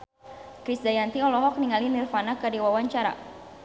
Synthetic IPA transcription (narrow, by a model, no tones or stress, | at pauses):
kɾisdajant̪iɔlɔɦɔk̚niŋalinirfanakadiwawaɲt͡ʃaɾa̰